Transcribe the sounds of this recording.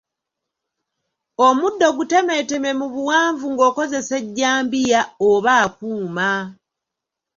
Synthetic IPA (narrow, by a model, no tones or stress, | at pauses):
omudːo̞ɡute̞me̞te̞me̞muβuwaːɱvuŋɡo̞ːko̞ze̞se̞ɟːaːmbijaoβaːkuːma